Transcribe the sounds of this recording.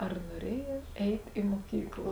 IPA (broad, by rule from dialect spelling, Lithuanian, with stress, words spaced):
ɐr nuɔˈrʲeːjoːtʲˈɛɪt ɪ muɔˈkʲiːklˠoː